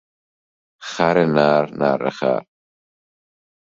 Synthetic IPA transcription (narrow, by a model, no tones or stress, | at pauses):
χaɾɛnaːɾna̰ɾə̰χa̰ɾ